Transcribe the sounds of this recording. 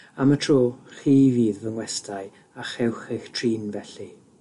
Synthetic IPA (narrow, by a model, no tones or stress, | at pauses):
amətʰroːχiːviːðvəŋwɛstʰaɨ | aχɛwχejxtʰriːnvɛɬi